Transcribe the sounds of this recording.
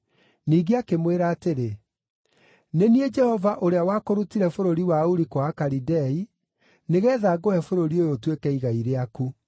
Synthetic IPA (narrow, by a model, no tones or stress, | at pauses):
niːɡeakemweɾaːteɾe | nenied͡ʒɛhɔvaʔoɾeawaːkoɾutiɾɛfoɾoɾiwauɾikwaːkaɾidɛi | neɣɛːðaɡɔɛfoɾoɾiojotwekɛiɣaiɾeaku